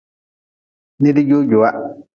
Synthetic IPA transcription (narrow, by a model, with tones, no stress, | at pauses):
nɪ˦dɪ˦ɟo˦ɟʊ˨wa˦